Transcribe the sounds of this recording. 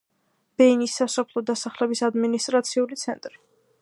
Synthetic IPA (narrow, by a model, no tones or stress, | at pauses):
b̥ɛnisːasɔpʰlˠɔd̪asaχlɛbisad̪minist̪ʼɾat̪sʰiulit̪sʰɛ̰nt̪ʼɾi